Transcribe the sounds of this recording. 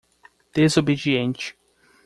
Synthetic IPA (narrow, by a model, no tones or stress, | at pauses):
d̪̥ezobed͡ʒiẽnt͡ʃɪ̥